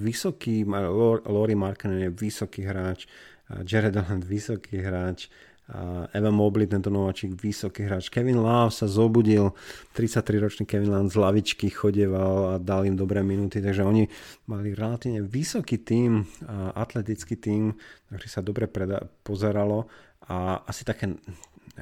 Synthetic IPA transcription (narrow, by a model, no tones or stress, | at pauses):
ʋisɔkiːmalɔɾimaɾkɛnɛnjɛʋisɔkiɦɾaːt͡ʃ | d͡ʒɛɾɛd̪ɔland̪ʋisɔkʰiɦɾaːt͡ʃ | ɛʋamɔblit̪ɛnt̪ɔnɔʋaːt͡ʃiːɡʋisɔkiɦɾaːt͡ʃkɛʋinlafsazɔbuɟilt̪ɾit͡sac̚t̪ɾiɾɔt͡ʃniːkɛʋinland̪zlaʋit͡ʃkixɔɟɛʋalad̪alimd̪ɔbɾɛːminut̪it̪aɡʒɛɔɲimaliɾɛlat̪iːʋʊɲɛʋisɔkit̪iːmʔat̪lɛt̪it͡skit̪iːmt̪aɡʒɛsad̪ɔbɾɛpɾɛpɔzɛɾalɔ | aasi̥t̪akɛː